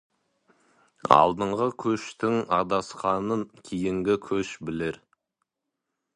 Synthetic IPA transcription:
ɑ̰lˠd̪əɴʁəkʲʰɵʃt̪ɪŋɑd̪ɑsqɑnəŋkʲʰejɪŋɡʲɪkʲʰɵʃbɪleɾ

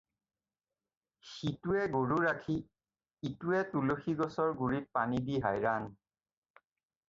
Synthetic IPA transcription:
xituɛɡoɹuɹakʰiː | tuɛtuloxiɡɔsɔɹɡuɹit̚panidiɦajɹan

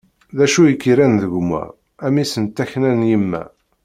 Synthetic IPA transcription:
ðæʃujəkːiɾænðəɡʷmæ̰ | æmisənt̪ːæçnænjimːæ̰

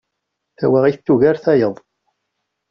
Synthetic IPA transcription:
θæwæʁiθθːuʝæɾθæjəðˤ

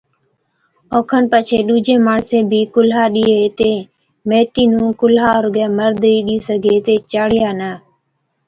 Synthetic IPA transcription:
oːkʰənpət͡ʃʰeːɗuːd͡ʒẽːmaːɳsẽːbʱiːkʊlɦaːɗiːɦeːt̪eː | meːt̪iːnũːkʊlaːɾɡɛːməɾd̪iːɗiːsəɡʱeːt̪eːt͡ʃaːɽɪjaːnəː

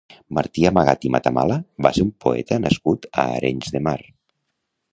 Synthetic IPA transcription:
maɾt̪iamaɣat̪imat̪ama̰labaseɾumpoɛt̪ənaskut̪aːɾʔeɲzðemar

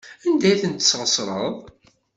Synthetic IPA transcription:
ænd̪æjθənt̪ə̥sːʁəsɾˤə̰ðˤ

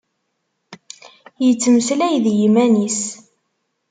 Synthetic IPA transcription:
jət͡sːmslæjðjimænis

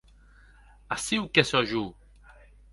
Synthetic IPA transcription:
asiukɛsɔʒu

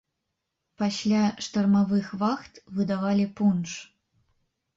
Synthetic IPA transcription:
pasʲlʲaʂt̪ɐrmavɨxvaxt̪vɨd̪avalʲipunʂ

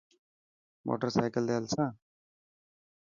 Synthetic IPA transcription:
mo̰ːʈəɾsaːjkəld̪elsãː

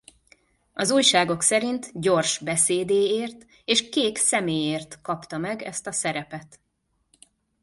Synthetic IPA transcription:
ɒzuːjʃaːɡo̞ksɛɾint̪ɟo̞rʃbɛseːd̪eːeːrt̪ | eːʃkeːksɛmeːjeːrt̪kɒpt̪ɒmɛɡɛ̰st̪ɒsɛɾɛpɛt̪

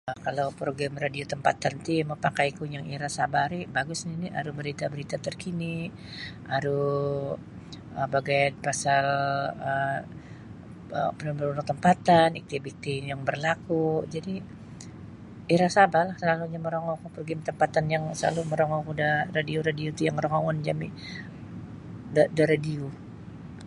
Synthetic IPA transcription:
əkalawpɾoɡamradiot̪əmpa̰t̪ant̪iməpakajkujaŋiɾasabaɾibaɡʊsɲania̰ɾubəɾit̪abəɾit̪at̪ərkini | ʔaɾu | əbaɡajpasalə | ə̰pənəbəɾunʊk̚t̪əmpat̪anik̚t̪ibik̚t̪ijaŋbərlakud͡ʒadi | iɾasaabalahsəlaluɲaməɾoŋɔkpərɡɪmt̪əmpat̪anjaŋsəla̰luməɾoŋɔkudaradioɾadiot̪ujaŋroŋɔŋɔnd͡ʒamḭ | dadaɾadio

